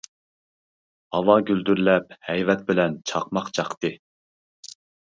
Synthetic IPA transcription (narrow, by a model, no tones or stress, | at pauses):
hɑlɑːɡʲyld̪yɾlɛp̚hɛjvɛt̪̚bɪlɛnt͡ʃʰɑqmɑqt͡ʃʰɑqt̪ɨ